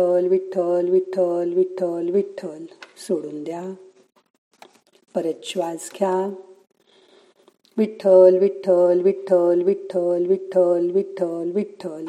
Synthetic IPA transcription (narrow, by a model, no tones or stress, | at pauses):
əlʋit̪ʰːəlʋit̪ʰəlʋit̪ʰəlʋit̪ʰːəlsoɽuːnd̪ja | pəɾət̪ɕʋad͡zkʰja | ʋit̪ʰəlʋit̪ʰəlʋit̪ʰəlʋit̪ʰːəlʋit̪ʰːəlʋit̪ʰəlʋit̪ʰːəl